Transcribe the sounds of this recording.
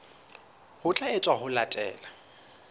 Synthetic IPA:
hʊt͡ɬʼaɪt͡sʼwahʊlatʼɛ̰ːla

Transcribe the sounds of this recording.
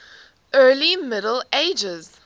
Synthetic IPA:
ʔɜːlimɪɾəl̩eɪd͡ʒɪz̥

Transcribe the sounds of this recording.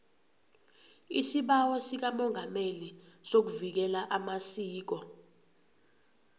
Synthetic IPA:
isiɓawɔsik̬amɔŋʱameli | sok̬uvik̬ɛlaʔamasiːk̬ɔ

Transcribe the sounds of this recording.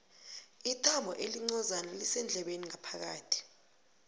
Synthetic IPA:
itʰʼambʱɔʔeliŋ͡ǀɔzanalisɛnd͡ɮʱɛɓeniŋapʰak̬a̰ːtʰi̥

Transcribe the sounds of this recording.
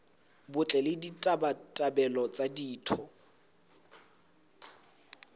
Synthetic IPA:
bʊt͡ɬʼɛlɪditʼabatʼabɛlɔt͡sʼadiːtʰɔ

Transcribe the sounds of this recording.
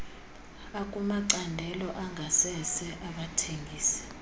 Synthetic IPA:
akʼumaǀandʱɛlɔʔaŋʱasɛsɛʔaɓatʰeŋɡʱiːsɛ̥

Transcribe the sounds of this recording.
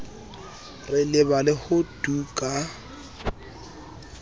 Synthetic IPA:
rɪlɪbalɪhʊd̥ukʼa

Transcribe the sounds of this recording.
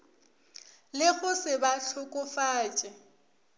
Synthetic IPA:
lɪɣʊsɪbaɬʰʊkʼʊfaːt͡ʃʼɪ

